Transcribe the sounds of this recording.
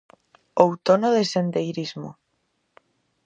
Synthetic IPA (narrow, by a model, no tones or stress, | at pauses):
owt̪onoðesend̪ejɾizmo̰